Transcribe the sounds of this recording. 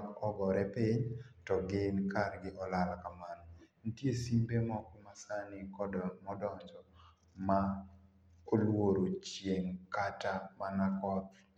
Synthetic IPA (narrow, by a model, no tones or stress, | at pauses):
kɔɡɔɾɛpiɲtɔɡɪnkaɾɡɪʔɔlalkamann̩tjesimbemɔkmasanɪkɔmɔdɔɲd͡ʒɔ | ma | olwoɾot͡ʃjeŋkatamanakɔt̪̚